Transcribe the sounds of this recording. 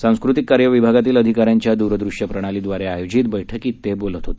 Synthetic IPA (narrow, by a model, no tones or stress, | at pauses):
sãw̃skɾut̪ikːaɾjəʋibʱaɡat̪iːləd̪ʱikaɾjaɲt͡ɕjad̪uɾəd̪ɾuʂjəpɾəɽ̃alid̪ʋaɾeajod͡ʑit̪bəjʈʰəkiːt̪ːebolət̪ɦot̪e̥